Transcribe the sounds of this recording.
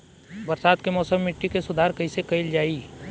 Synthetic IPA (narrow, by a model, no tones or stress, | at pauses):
bɐɾsaːd̪kemɔːsəmːɪʈːikesʊd̪ʱaːɾkɐisekɐɪld͡ʒaːiː